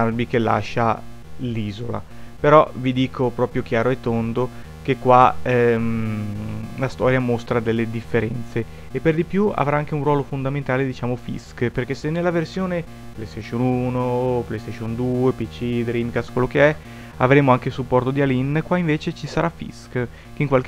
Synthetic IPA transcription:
arbikelːa̰ʃːa | liːzola̰ | peɾɔvid̪iːkʰopɾɔːpɾjok̟jaːɾoet̪ːond̪o | kekːwaɛ | last̪ɔːɾjamost̪ɾad̪elːed̪ifːeɾɛnt̪seː | pːerd̪ipjua̰vɾaaŋk̟eunrwɔːlofond̪ament̪aːled̪it͡ʃaːmofḭskperkesenːelːaversjoːne | plejst̪eʃonunoplejst̪eʃond̪uːepit͡ʃid̪ɾimkaskwelːokeɛ | a̰vɾeːmoaŋk̟esupːɔrt̪od̪ialinkwaiɱveːt͡ʃet͡ʃisaɾafḭsk | keiŋkwalk

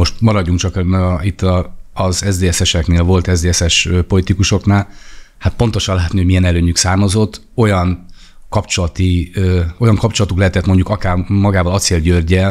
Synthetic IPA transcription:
mo̞ʃt̪mɒɾɒɟːuŋkt͡ʃɒkit̪ʰːɒːzɛzd̪eːɛsɛʃɛkneːlvo̞lt̪ɛzd̪eːɛsɛʃøːpo̞lit̪ikuʃo̞knaːlhat̪̚po̞nt̪o̞ʃɒnlaːt̪niho̞ɟmiɛnɛløːɲyksaːrmɒzo̞t̪ː | o̞jɒn | kɒpt͡ʃo̞lɒt̪i | ojɒŋkɒpt͡ʃo̞lɒt̪uklɛɦɛt̪ɛt̪mo̞ɲɟukɒkaːrmɒɡaːvɒlɒt̪seːlɟørɟɛl

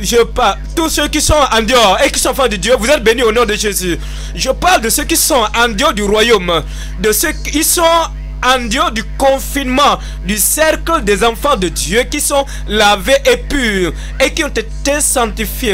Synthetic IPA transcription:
ʒəpalt̪usøkisɔ̃ɑ̃d̪jɔekisɔ̃ɑ̃fɑ̃d̪əd̪jøvuzɛt̪̚benyonɔ̃d̪əʒezy | ʒəpaʁld̪əsøkisɔ̃ɑ̃d̪jod̪yʁwajom | d̪əsəkisɔ̃ | ɑ̃d̪jod̪ykɔ̃finmɑ̃ | d̪ysɛʁkləd̪ɛzɑ̃fɑ̃d̪əd̪jøkisɔ̃ | laveʔepyːʁ | ekiɔ̃t̪et̪esɑ̃t̪ifje

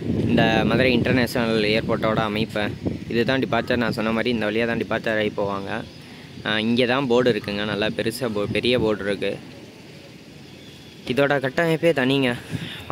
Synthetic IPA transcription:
ɪnd̪ɐmaːðɪɾiɪɳʈɐɾneːʂɪnɐɐleːɾpoːʈːoːɽɐɐmɐɪpːẽɪðɯt̪ãːɖɪpaːɾt͡ʃɐɾnãːsɔnːɐmaːd̪ɾiɪnd̪ɐʋɐɭlɪjaːt̪ãːɖɪpaːɾt͡ʃːɐɾɐɪpoːʋaːŋɡɐ | ɪŋɡeːt̪ãːboːɽɪɾɯkːɯŋɡɐnɐlːaːpɛɾɯsɐpɛɾɪjɐʋoːɽɪɾɯkːɯ | ɪðoːɽɐkɐʈːɐmɐɪpːeːt̪ɐnɪjŋɡɐ

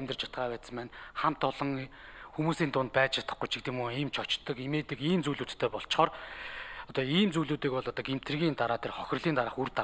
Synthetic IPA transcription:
æmʲt̪ə̆rt͡ɕʰḁt̪̚ɢaːpæːt̪sə̆mpæːnχam̥t̪ʊɮɞ̆ŋ | xumuːsiːnt̪ʊnt̪̚pæːt͡ɕt͡ɕʰat̪ə̆χɡʊjt͡ɕʰikt̪imuːiːmt͡ɕʰɔt͡ɕt̪ːɞ̆kimeːt̪ĕkiːmt͡sujɮuːt̪ʰt̪ʰːeːpɔɬt͡ɕ̆χɔːr | ɔt̪ɔiːmt͡sujɮuːt̪iːkpɔɮɔt̪ɔːɡem̥t̪ʰrɣʲiːnt̪aɾaːt̪ʰerχɔxʲɪ̆rɮiːnt̪aɾəːχurt̪a

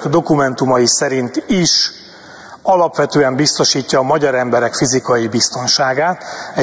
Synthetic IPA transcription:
kd̪o̞kumɛnt̪umɒjisɛɾint̪iʃ | ɒlɒpʋɛt̪øːɛmbist̪o̞ʃiːcːɒːmɒɟɒɾɛmbɛɾɛkfizikɒjibist̪o̞nʃaːɡaːt̪ɛ

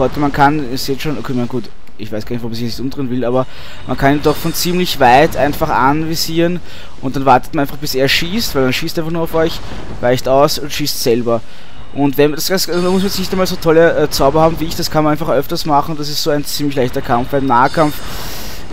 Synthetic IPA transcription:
ɔʏtəmankʰanɛsjɛsʃoːnʔokʰeːmanɡ̥uːt | ʔɪçv̥æɪsɡ̥aːnɪçvmsɪçnɪçtʊmd̥ʁɪnvɪlaːbɐ | mʔankʰaniːndɔχfɔnt͡siːmlɪçvaɪtʔaɪnfaχa̰nvɪsiːʁən | ʔʊnt̚d̥anvaɐtə̥t̚manʔæɪnfaχb̥ɪseːɐʃiːstv̥æɪldanʃiːstɪfaχnuɐɑʊfɔʏç | vaɪçtaʊsʊntʃiːstsɛlbɐ | ʔʊntvɛnd̥asasnmʊs̬mansnɪçtæɛnmaːlzoːtʰɔləʔɛt͡saʊbɐhaːbm̩viːɪçd̥askʰanmanæɪnfaχʔœftɐstmaχn̩ʊntd̥asɪstz̥oːæɪnt͡siːmlɪçlæɪçtɐkʰamfb̥æɪmnaːəkʰamf

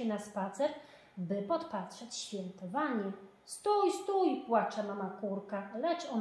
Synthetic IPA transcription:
ɛnaspat̪sɛɾ | bɘpɔt̪pat̪ʂɛt͡ɕɕfʲjɛnt̪ɔvaɲɛ | st̪ujst̪ujpwat͡ʂamamakuɾkalɛt͡ʂɔ

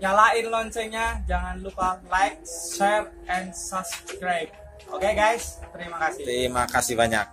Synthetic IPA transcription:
jalaɪnlɔɲt͡ʃɛɲad͡ʒaŋanlupalajk̚sɛf | ɛnsɔskɾajb̚ | ʔokeɡajst̪əɾimakasɪht̪əɾimakasihbaɲak̚

